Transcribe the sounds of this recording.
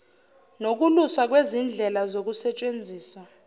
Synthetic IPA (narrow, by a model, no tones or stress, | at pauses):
nok̬ulusak̬wezind͡ɮʱɛlazok̬usɛt͡ʃʼend͡zʱiːsa